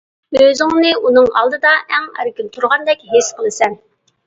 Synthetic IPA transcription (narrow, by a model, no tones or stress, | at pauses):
øzɪŋnɨʔunɨŋɑ̰lˠd̪ɨd̪ɑʔɛŋæ̰ɾɪkʲint̪ʰuɾʁɑnd̪ɛkʲɦesqʰəlˠɨsɛn